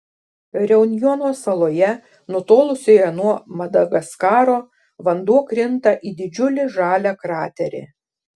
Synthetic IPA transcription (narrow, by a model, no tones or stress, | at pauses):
ɾʲɛʊnʲjɔnoːsɐlˠoːjɛ | nʊt̪oːlˠʊsʲojɛnuɔmɐd̪ɐɡɐskɑːɾoː | ʋɐnd̪uɔkɾʲɪnt̪ɐʔiːd̪ʲɪd͡ʒʲʊlʲɪʒɑːlʲɛkɾɑːt̪ʲɛɾʲɪ̰